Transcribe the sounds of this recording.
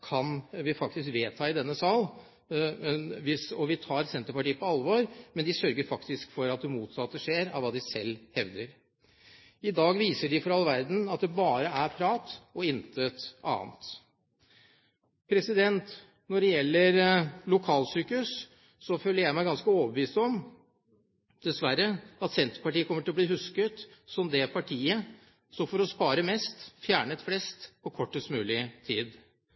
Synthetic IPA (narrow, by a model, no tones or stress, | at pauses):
kʰɑnʋɪfɑk̚t̪ɪskʋeːt̪ʰɑːɪd̪ɛnːəsɑl | ʋɪsɔʋɪt̪ʰɑːɾsɛnt̪əɾpɑʈiːpʰɔɑlʋɔɾmɛnd̪ɪsœɾɡəɾfɑkt̪ɪskfɔɾɑt̪̚d̪ɛmuːt̪sɑt̪ːəʂeːɾɑ̰ʋɑːd̪ɪsɛlːhɛʋd̪əɾ | ɪd̪ɑːɡʋiːsəɖɪfɔɾɑlːʋæɾd̪n̩ɑt̪̚d̪ɛbɑːɾəæɾpʰɾɑːt̪ɔɪnt̪ʰət̪ʔɑ̰ːnt̪ | pʰɾɛsɪd̪ɛnt̪ | nɔɖɛjɛlːəɾlʊkʰɑːlsyːkʉs | sɔføːlːəɾjæɪmæɪɡɑnskəoːʋəbʋiːsɔm | d̪̥ɛsʋæɾəɑt̪sɛnt̪ɾpɑʈiːəkɔmːəʈʰɪlɔbliːhʉskət̪sɔmd̪ɛpʰɑʈʰiːə | sɔmfɔɾɔspɑːɾəmɛst̪fjæːɳət̪flɛst̪pʰɔkʰɔʈːəst̪mʉːlɪt̪ʰiːd̪